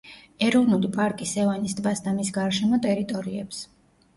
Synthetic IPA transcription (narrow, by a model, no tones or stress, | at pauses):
ɛɾɔvnulipʼaɾkʼisɛvanisd̪vasd̪amisɡaɾʃɛmɔt̪ʼɛɾit̪ʼɔɾiɛps